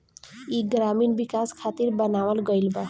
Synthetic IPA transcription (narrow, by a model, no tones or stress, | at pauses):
iɡɾaminbikaskʰat̪iɾbʌnawəlɡʌjlba